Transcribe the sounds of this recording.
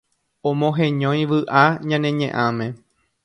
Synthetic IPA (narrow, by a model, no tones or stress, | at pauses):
õmõɦẽɲõj̃ʋɨʔaɲãnẽɲḛ̃ʔãmẽ